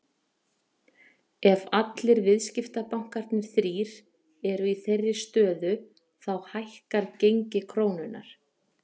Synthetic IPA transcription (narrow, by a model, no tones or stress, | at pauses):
ɛvat̪lɪɾvɪðscɪft̪apawŋ̥kaɾ̥t̪nɪɾ̥θɾiːɾ̥ | ɛɾʏiθejrːɪst̪œːðʏ | θawhajhkaɾcejɲcɪkʰɾoːwnʏna̰ɾ̥